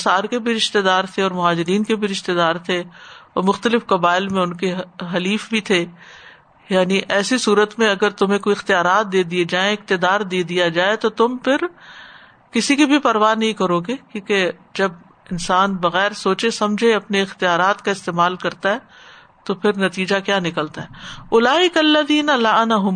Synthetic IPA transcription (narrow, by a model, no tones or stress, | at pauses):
saːɾkebʱiɾɪʃt̪ed̪aːɾt̪ʰeɔːɾmʊɦaːd͡ʒɪɾiːnkebʱiɾɪʃt̪ed̪aːɾt̪ʰeɔ̰ːɾmʊxt̪əlɪfkɐbaːɪlmẽʊnkeɦɐliːfbʱit̪ʰe | jaːniʔɛːsisuːɾət̪mẽɐɡəɾt̪ʊmɦẽkoiɪxt̪ijaːɾaːt̪̚d̪eːd̪ied͡ʒaːẽɪk̚t̪ɪd̪aːɾd̪eːd̪ijad͡ʒaːet̪ot̪ʊmpʰɪɾ | kɪsikibʱipɐɾʋaːnɐɦĩkɐɾoːɡekjũːked͡ʒɐb̚ | ɪnsaːnbɐɣɛːɾsoːt͡ʃesɐ̃md͡ʒʱeɐpneɪxt̪ijaːɾaːt̪kaɪst̪eːmaːlkɐɾt̪aɦɛː | t̪opʰɪɾnɐt̪iːd͡ʒakjaːnɪkəlt̪aɦɛːʊlaːɪkɐlːɐðiːnɐlɐɐnaɦʊm